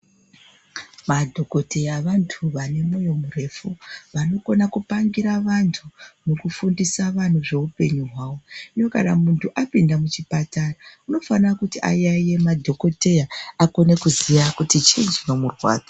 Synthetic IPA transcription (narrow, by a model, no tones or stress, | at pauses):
madʱo̞ko̞te̞jaʋantʰuʋane̞mo̞jo̞mure̞fuʋano̞ko̞nakupaŋɡiɾaʋantʰumukufundisaʋan̤uʐe̞upe̞ɲuɦwaːwo̞ijo̞kanamuntʰuʔapindamut͡ʃipatarauno̞fanirakutiʔa̰jaje̞madʱo̞ko̞te̞jaako̞ne̞kuzijakutit͡ʃind͡ʒino̞murwa̰ːd͡zʱa